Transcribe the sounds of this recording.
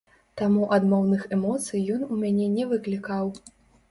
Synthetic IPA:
t̪amuʔɐd̪mɔwnɨxɛmɔt̪sɨjːɔnumʲanʲɛnʲɛvɨklʲikaw

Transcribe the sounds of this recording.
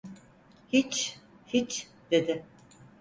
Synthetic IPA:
hit͡ʃ | hit͡ʃ | d̪̥e̞d̪ɪ

